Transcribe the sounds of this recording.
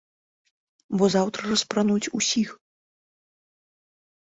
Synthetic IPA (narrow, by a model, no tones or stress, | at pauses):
bɔzawt̪ɾɐrɐspɾanut͡sʲusʲix